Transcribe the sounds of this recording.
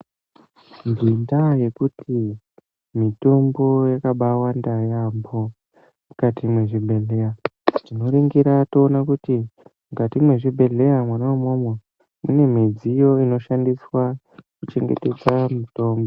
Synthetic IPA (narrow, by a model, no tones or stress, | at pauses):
ndindaje̞kutʰi | mito̞mbo̞jakaɓawandajambo | mukatʰimwe̞ʐibʱe̞ɮe̞jatino̞ɾiŋɡiɾato̞ːnakutimukatimwe̞ʐibʱe̞ɮe̞amwanawamomwe | mune̞m̤ed͡zijo̞ino̞ʃandiswa | kut͡ʃe̞ŋɡe̞̰te̞d͡zamuto̞ːmbo